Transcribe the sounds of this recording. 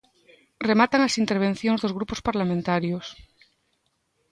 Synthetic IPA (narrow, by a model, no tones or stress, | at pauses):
remat̪aŋasint̪eɾβ̞ẽn̟θjoŋzðozɣɾupospaɾlamẽnt̪aɾjos